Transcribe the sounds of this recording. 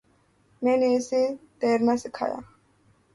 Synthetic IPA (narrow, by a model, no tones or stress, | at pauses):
mɛnisid̪̥ɛɾnasikʰa̰ja̰